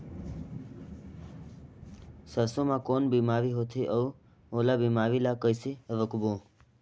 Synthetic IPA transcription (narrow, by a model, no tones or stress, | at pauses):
səsomãkonbimaʋiɦot̪ʰiʔəu | olabimaʋilakəjsiəʋəkbo